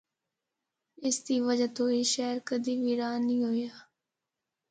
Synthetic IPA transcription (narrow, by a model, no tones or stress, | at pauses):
ɪsd̪iːʋəd͡ʒat̪õːiːʃɛːɾkəd̪iːʋiːɾaːnĩːɦoːjaː